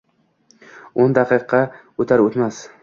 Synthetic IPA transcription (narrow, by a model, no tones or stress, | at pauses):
ond̪ɑqʰɨqʰːɑ | ot̪ʰaɾot̪mas